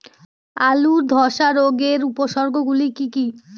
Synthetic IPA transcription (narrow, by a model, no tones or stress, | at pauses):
aluɾd̪ʱɔʃaɾoɡeɾupoʃɔɾɡʱoɡulikiki